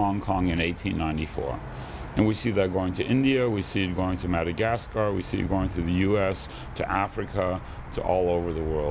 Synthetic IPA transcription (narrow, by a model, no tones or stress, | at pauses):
ɑ̃ŋkʰɑ̃ŋɨ̃neɪtʰĩnːãɪ̃ntifɔ̰ɹ | ɨ̃nwisiðɨt̚ɡ̥oʊɪ̃ŋtʰɨʔɪ̃ndiɨwisiɨt̚ɡ̥oʊɪ̃ŋtʰɨmæɾɨɡæskəɹwḭsḭɨ̰ɡ̥oʊɪ̃ŋtʰɨðɨjʉɛs | tʰɨʔæfɹɨkʰə | ɾʰə̰ʔɔlˠoʊvə˞ðəwɜ˞